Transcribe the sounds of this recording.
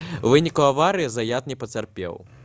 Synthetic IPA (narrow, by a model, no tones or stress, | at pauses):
vɨnʲikuavaɾɨjizajat̪nʲɛpɐt͡sʲarpʲɛ̰w